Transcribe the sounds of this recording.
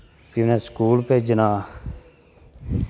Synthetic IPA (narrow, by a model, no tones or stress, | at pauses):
pineskuːlped͡ʒənaː